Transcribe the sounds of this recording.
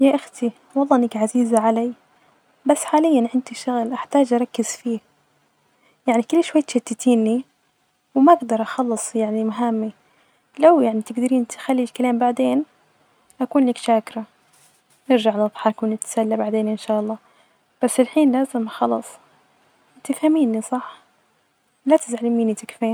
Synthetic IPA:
jaʔaxt̪i | wɑlˤːɑːʔɪnːɪkʕaziːzaʕalaj | basːħaːlɪjːanʕɪnd̪iʃʊɣlʔaħt̪aːd͡ʒʔɑɾˤɑkːɪz̥fiː | jaʕnikʊlːʃwajːt̪ʃɪt̪ːat̪iːnːi | wmaʔaɡd̪ɑɾˤʔɑxɑlːɨsˤjaʕnimaɦamːi | lawjaʕnit̪ɪɡd̪ɪɾiːnt̪xalːid͡ʒkalaːmbaʕd̪eːn | ʔakuːnliːkʃaːkɾˤa | nɪɾʒaʕnɨðˤħɑkːnɪt̪salːabaʕd̪eːnʔɪnʃaːʔɑlˤːɑː | b̥asːɪlħiːnlaːzɪmxɑlɑsˤ | t̪ɪfhamiːnːisˤɑħ | lat̪ɪzʕalɪmiːnit̪ɪkfeːn

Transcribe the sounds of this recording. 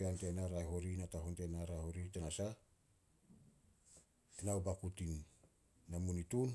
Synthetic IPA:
eantenaɾajɦoɾinataɦontenaɾahoɾitanasa | enawbakutinː | amunitun

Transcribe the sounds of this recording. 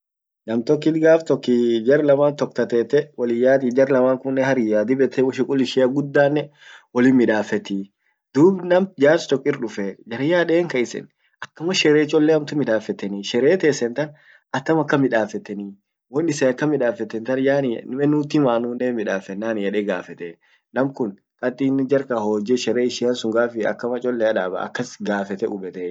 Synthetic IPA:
nɐmt̪ɔkːɪt̪ɡaːft̪ɔkːɪd͡ʒɐɾlɐmaːnt̪ɔk̚t̪ɐt̪ɛːt̪ːɛwɐlɪjaːt̪id͡ʒɐɾlɐmaːŋkʊnːɛhɐɾɪjaːd̪ɪbɛt̪ːɛwɔʃɪkʼʊlɪʃɛɐɡʊd̪ːaːnːɛwɔlɪmɪᶑaːfɛt̪i | d̪uːbnɐmd͡ʒaːst̪ɔkːɪɾᶑʊfɛd͡ʒɐɾɪjaːᶑeːŋkɐɪsɛ̰n | ɐkːɐmɐʃɛɾeːt͡ʃːɔlːɛhɐmt̪ʊmɪᶑaːfɛt̪ɛniːʃɛɾeːt̪eːsːɛnt̪ɐn | ɐt̪ːɐmɐkːɐmɪᶑaːfɛt̪ːɛniː | wɔnːɪsɛɐkːɐmɪᶑaːfɛt̪ːɛnt̪ɐnjaːnmɛnʊt̪ɪmaːnunːemɪᶑaːfɛnːaːnjɛᶑeɡaːfɛt̪ɛ | nɐmkʊn | kʼɐt̪ʼiːnɪd͡ʒɐɾkahoːd͡ʒɛʃɛɾeːɪʃɪɐnsʊŋɡaːfɪɐ̰kːɐmɐt͡ʃʼɔlːɛɐᶑaːbɐ̰ɐ̰kːɐsɡaːfɛt̪ɛʊbɛt̪ɛ

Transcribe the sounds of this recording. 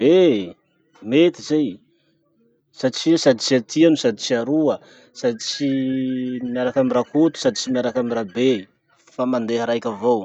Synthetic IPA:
e | met̪izej | sat͡ʃiasad̪it͡ʃiat̪ʰianusad̪it͡ʃiaɾuə | sad̪it͡ʃi | miaɾakamirakʰut̪u̥sad̪it͡ʃimiaɾakamirabe | famand̪eɦəɾajkʲavow

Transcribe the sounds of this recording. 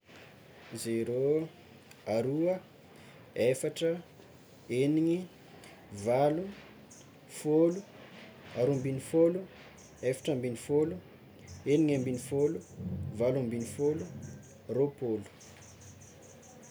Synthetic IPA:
zeɾo | aɾuə | efaʈ͡ʂə | eniŋi | valu | folu | aɾumbinifolu | efḁʈ͡ʂəmbinifolu | eniŋambinifoluvalumbinifolu | ropolu̥

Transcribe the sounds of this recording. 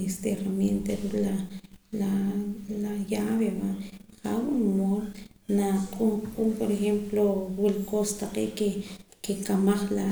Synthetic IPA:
est̪erament̪eɾuʔlalalajaβeβaʔχawunmonnaqʼumqʼumpoɾexemplowilkost̪aqḛːʔkekekamaχla

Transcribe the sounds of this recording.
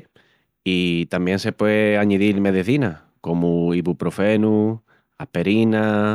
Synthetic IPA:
it̪ambjẽ̞nse̞pweaɲiðiɾmeðeθina | ko̞muiβupɾofe̞nu | ahpe̞ɾina

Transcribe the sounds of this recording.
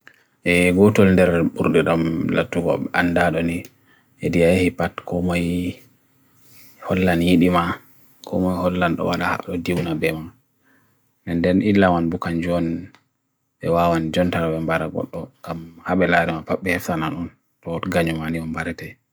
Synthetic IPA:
ʔɛɡɔtɔlndɛɾɓuɾɗɛɗamla̰tːuɡɔ̰ɓɛandaɗɔni | ʔɛdijajahipatkɔmaj | hɔlːanjiɗima | kʰɔ̰majhɔlːanɗɔ̰waɗaha̰ɗɔdiwnabɛma | nɛndɛnʔilːamanbukaɲd͡ʒɔn | ɓɛwawanid͡ʒɔntaɾawɛmbaɾaɡɔ̰ɗːɔŋɡamhaɓɛlaɾɛmapaɓːɛhɛftanaɗɔn | tɔtɡaɲɔmaniɔmbaɾɛtɛ

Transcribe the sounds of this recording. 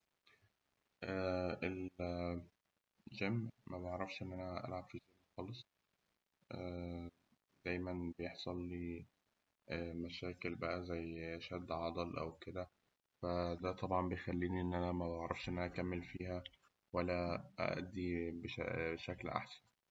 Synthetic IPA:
ʔæel | ʒæmːmæbʕɾˤɑfʃʔenːʔænæʔæ̰lʕab̥fiʒæːmːxɑːlesˤ | ʔæ | d̪̥æːjmænbejeħsˤɑlːi | mæʃæːkelbæʔæzæjːʔæʃæd̪ːʕɑd̪ˤɑlʔæ̰wked̪æ | fæd̪æt̪ˤɑbʕɑmbejexælːiːniʔenːʔænæmæbeʕɾˤɑfʃʔenːʔænæʔækæmːelfiːhæ | wælːæʔæ̰ʔæ̰d̪ːibeʃæ̰ʃæklʔa̰ħsæ̥n

